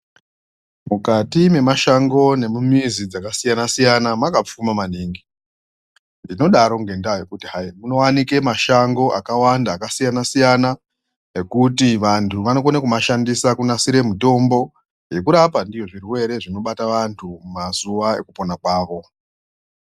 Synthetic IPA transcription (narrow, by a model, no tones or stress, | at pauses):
mukatime̞maʃaŋɡo̞ne̞mumizid͡zakasijanasijanamakap͡fumamaniːŋɡi | ndino̞ɗaɾo̞ŋɡe̞ndaje̞kutiɦaimunowanike̞maʃaŋɡo̞ʔakawandaːkasijanasijana | e̞kutiʋantʰuʋanokonekumaʃandisakunasiɾe̞muto̞mbo̞ | je̞kuɾapandijo̞ʐirwe̞ɾe̞ʐino̞ɓataʋantʰumumazuʋae̞̰kupo̞nakwaːʋo̞